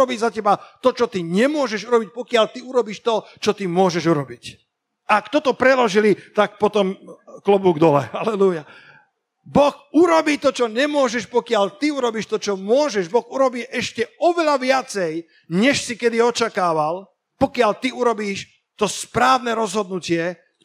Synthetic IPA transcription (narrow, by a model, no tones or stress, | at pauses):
ɔbiːzacɛbat̪ɔt͡ʃɔt̪iɲɛmʊɔʒɛʒuɾɔbic̚pɔkɪaʎt̪iuɾɔbiːʃt̪ɔt͡ʃɔt̪imʊɔʒɛʒuɾɔbic | akt̪ɔt̪ɔpɾɛlɔʒilit̪ak̚pɔt̪ɔmklɔbuːɡd̪ɔlɛ̰halɛluja | bɔxuɾɔbiːt̪ɔt͡ʃɔɲɛmʊɔʒɛʃpɔkɪaʎt̪iuɾɔbiːʃt̪ɔt͡ʃɔmʊɔʒɛʒbɔɣuɾɔbiːʔɛʃcɛɔʋɛʎaʋɪat͡sɛj | ɲɛʃsikɛd̪iɔt͡ʃakaːʋal | pɔkɪaʎt̪iuɾɔbiːʃ | t̪ɔspɾaːʊnɛɾɔzɦɔd̪nucɪɛ